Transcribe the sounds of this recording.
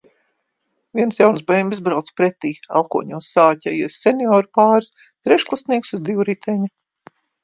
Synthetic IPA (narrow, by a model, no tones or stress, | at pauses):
viɛnsjawnsbɛjmbʲizbɾawt̪spɾɛt̪iːa̰lˠkuɔɲuːsaːcʲɛjisʲːeniɔːɾupaːɾs | t̪ɾɛʃklˠasniɛksuzd̪iwɾit̪ʰɛɲu